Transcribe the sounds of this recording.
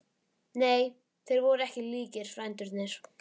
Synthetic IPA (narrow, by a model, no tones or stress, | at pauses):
neːj | θejɾvɔɾɛhcɪliːcɪɾ̥fɾajnt̪ʏɾt̪nɪɾ̥